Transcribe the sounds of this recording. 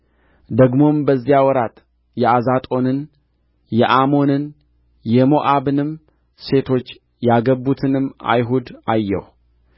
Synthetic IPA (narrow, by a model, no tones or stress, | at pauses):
d̪əɡmo̞mbəzːijawɔɾat̪ʼ | jɛazat̪ʼo̞nɨn | jɛʔamo̞nɨn | jɛmo̞ʔaβɨnɨm | se̞t̪ʰo̞t͡ʃː | jaɡəbut̪ʰɨnɨma̰jɦud̪ajːɛ̰w